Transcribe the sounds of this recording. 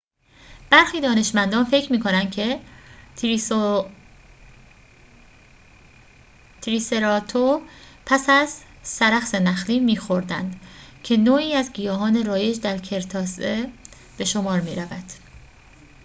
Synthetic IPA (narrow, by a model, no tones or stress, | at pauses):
b̥æɾxiːd̪ɒːne̞ʃmænd̪ɒːnfe̞cʰɾmiːkʰo̞nænd̪cʰe̞ | t̪ʰɾiːseɾɒːt̪ʰopʰæsæz | sæɾæxse̞næxliːmiːxo̞ɾd̪æ̰nd̪̥cʰe̞noːiːæzɟijɒːɦɒːne̞ɾɒːje̞d͡ʒd̪æɾcʰe̞ɾt̪ʰɒːse | b̥e̞ʃo̞mɒːɾmḭːɾævæd̪̥